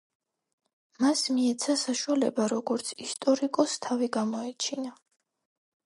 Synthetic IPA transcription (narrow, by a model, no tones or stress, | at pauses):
masmiɛt̪sʰasaʃuwalɛ̰baɾɔɡɔɾt̪sʰist̪ʼɔɾikʼɔst̪ʰaviɡamɔɛt͡ʃʰina